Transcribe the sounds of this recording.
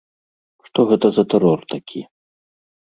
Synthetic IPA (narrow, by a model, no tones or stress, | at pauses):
ʂt̪ɔɣɛt̪ɐzɐt̪ɛɾɔrt̪akʲʰi